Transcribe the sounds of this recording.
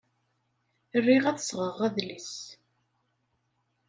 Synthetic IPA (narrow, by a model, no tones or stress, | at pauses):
ərːiʁæθsʁəʁæðlis